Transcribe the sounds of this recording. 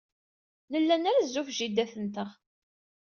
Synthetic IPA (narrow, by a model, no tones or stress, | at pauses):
nəlːænæɾæzːufʒid̪æθənt̪əʁ